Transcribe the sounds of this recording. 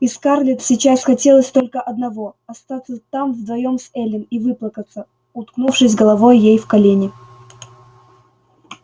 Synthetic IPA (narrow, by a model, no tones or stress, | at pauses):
ɪskarlʲɪt̪sʲɪt͡ɕasxɐtʲe̞lˠəsʲt̪o̞lʲkəʔɐd̪nɐvoɐst̪at̪sət̪amvd̪vɐjo̞msɛlʲɪnivɨplˠəkət̪sə | ʊt̪knufʂɨsʲɡəlˠɐvo̞jjejfkɐlʲenʲɪ